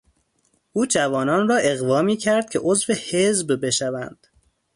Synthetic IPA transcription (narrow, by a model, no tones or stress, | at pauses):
ʔuːd͡ʒævɒːnɒːnrɒːʔe̞ɣvɒːmiːcʰæɾd̪̥̚kcʰe̞ʔozvehe̞zbbe̞ʃævæ̰nd̪̥